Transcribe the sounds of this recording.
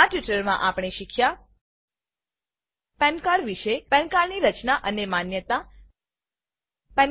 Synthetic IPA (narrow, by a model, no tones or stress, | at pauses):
aʈʋiʈəɾmã̰ʔapɽ̃eʃikʰja | pɛ̃nkaɾʋiʃepɛ̃nkaɾniɾət͡ʃnaʔənemanjət̪a | pɛ̃n